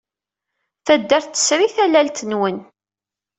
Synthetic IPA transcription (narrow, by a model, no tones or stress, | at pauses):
θæd̪ːæɾθθə̥sɾiθælælt̪ənwən